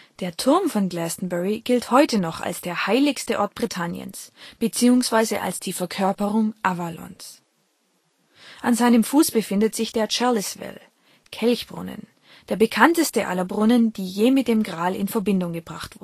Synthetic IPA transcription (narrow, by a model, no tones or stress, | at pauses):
d̥eːɐtʰʊɐmfɔnɡlɛstn̩bɛʁiɡ̥ɪlthɔʏtʰənɔχa̰lsd̥eːɐhaɪlɪçstəʔɔɐt̚b̥ʁitʰanjə̰nsb̥ət͡siːʊŋsv̥aɪzəʔa̰lsd̥iːfɛɐkʰœɐpəʁʊŋʔavalɔ̰ns | ʔanzaɪnəmfuːsb̥əfɪndətz̥ɪçd̥eːɐt͡ʃaɐlɪsv̥ɛ̰l | kʰɛlçb̥ʁʊ̰nə̰n | d̥eːɐbəkʰantəstəʔa̰lɐbʁʊnənd̥iːjeːmɪt̚d̥eːmɡʁaːlɪ̰nfɛɐbɪndʊŋɡəbʁaχtv̥ʊ